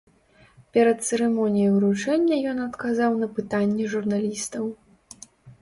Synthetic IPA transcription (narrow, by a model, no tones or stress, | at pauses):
pʲɛɾɐt̪̚t̪sɛɾɛmɔnʲijɐwɾut͡ʂɛnʲːɐjɔnɐt̪kazawnɐpɨt̪anʲːɛʐurnalʲist̪ɐw